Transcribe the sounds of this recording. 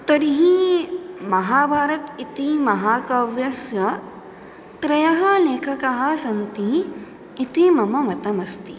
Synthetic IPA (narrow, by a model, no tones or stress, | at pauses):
t̪ɐɾiɦi | mɐɦaːbʱaːɾɐt̪it̪imɐɦaːkɐʋjɐsjɐ | t̪ɾɐjɐɦɐleːkʰɐkɐɦɐ̆sɐnt̪iː | t̪imɐmɐmɐt̪ɐmɐst̪i